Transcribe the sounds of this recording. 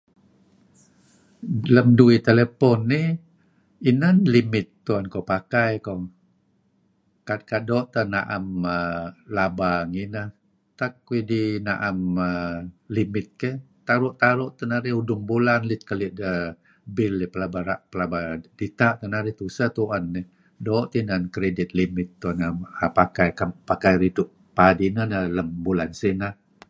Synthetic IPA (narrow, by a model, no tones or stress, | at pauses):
ləmduit̪elepɔnːi | inənlimɪt̪ːuankowpakajko | kakadɔʔt̪ənaʔaməlabaŋinəh | t̪akuidinaʔaməlimɪt̪̚kə | t̪aɾʊʔt̪aɾʊʔt̪ənaɾiudʊŋbulanlit̪̚kəliʔə | bilːipəlabaɾaʔpəlabad̥it̪aʔt̪ənaɾit̪usət̪uʔanːi | doʔt̪inankɾedit̪̚limɪt̪ːonaapakajkampakajɾit̪uʔ | padinənələmbulansinə